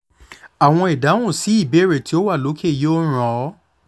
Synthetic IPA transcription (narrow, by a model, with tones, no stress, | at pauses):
a˨w̃ɔ̃˧i˨da˨˦ũ˦˨si˨˦i˦˨be˨˦ɾe˨ti˦o˦wa˦˨lo˨˦kʰe˦˨joː˦ɾ̃ɔ̃˨˦